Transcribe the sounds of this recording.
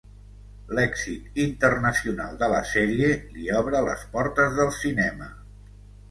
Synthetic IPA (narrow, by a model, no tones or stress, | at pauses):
lɛksit̪int̪ərnəsiuna̰lˠd̪ələ̰sɛɾieliɔβ̞ɾələ̰spɔɾt̪əzðəlˠsinɛmə